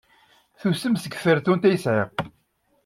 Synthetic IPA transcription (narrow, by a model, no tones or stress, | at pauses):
θusəmsəɡfəɾθunt̪æjəsʕiʁ